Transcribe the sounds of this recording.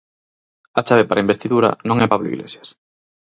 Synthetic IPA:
at͡ʃaβepaɾaimbest̪iðuɾɐ̰nõŋɛpaβloḭɣlḛsjḁs

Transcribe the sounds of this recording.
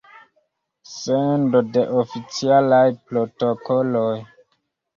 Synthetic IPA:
sendode̞ʔofit͡sialajpɾotokoloj

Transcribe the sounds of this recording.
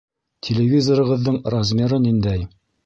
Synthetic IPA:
tʲʰelʲevʲizoɾɤ̆ʁɤ̆ðːɤɴrazʲmʲeɾɤnind̪æj

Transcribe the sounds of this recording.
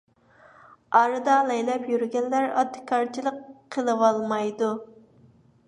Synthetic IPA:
ɑɾɨd̪ɑlɛjlɛpjyɾyɡʲɛnlæɾɑ̰d̪ɨ̥kʰɑɾt͡ʃʰilˠəqʰːəlˠɨwɑlˠmɑjd̪u

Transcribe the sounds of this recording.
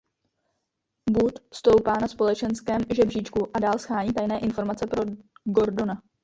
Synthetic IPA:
but̪fst̪o̞wpaːnaspo̞lɛt͡ʃɛnskɛːmʒɛbriːt͡ʃkuʔadaːlsxaːɲiːt̪ajnɛːʔɪnfo̞ɾmat͡sɛpɾo̞ɡo̞ɾdo̞na

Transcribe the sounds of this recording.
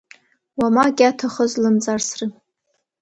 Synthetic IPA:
wamaɡʲatʰaχəzlɨmd͡zʼarsrɨ

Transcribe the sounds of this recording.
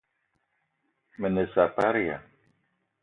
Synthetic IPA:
mənəsapaɾia̰

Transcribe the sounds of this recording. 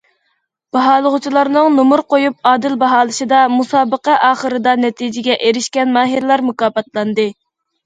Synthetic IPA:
b̥ɑɦɑːlˠəʁʊt͡ʃʰilˠɑɾnɨŋnomuɾqojup̚ɑːd̪ɪlbɑɦɑːlˠɨʃɨd̪ɑmusɑːbəqɑʔɑːχəɾɨd̪ɑnɛt̪ʰid͡ʒɪɡʲɛʔeɾɪʃkʲɛnmɑːɦɨɾlˠɑɾmukɑːbɑt̪lˠɑnd̪ɨ

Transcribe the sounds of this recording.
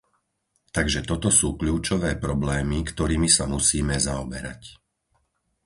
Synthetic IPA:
t̪aɡʒɛt̪ɔt̪ɔsuːkʎuːt͡ʃɔʋɛːpɾɔblɛːmikt̪ɔɾiːmisamusiːmɛzaɔbɛɾa̰c

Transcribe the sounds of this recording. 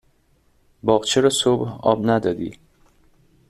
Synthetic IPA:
bɒːɣt͡ʃʰeɾɒsobhɒ̰ːbnæd̪ɒːd̪ḭː

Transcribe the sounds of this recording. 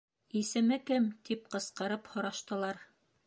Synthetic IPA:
isɘ̆mɘkɘmt̪ipqɤ̆sqɤ̆ɾɤphŏɾɑʃt̪ɤ̆lˠɑɾ

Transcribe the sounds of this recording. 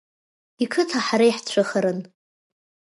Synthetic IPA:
ikʰɨtʰaħaɾajħt͡ɕʷʰɨχaɾɨn

